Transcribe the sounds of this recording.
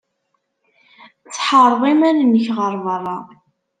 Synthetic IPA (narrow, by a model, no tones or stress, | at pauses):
t͡sːħəɾˤðˤimænnəçʁəɾˤvərˤːɑ